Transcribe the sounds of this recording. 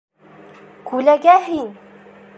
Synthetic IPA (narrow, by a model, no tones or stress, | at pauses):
kʉlæɡæɦin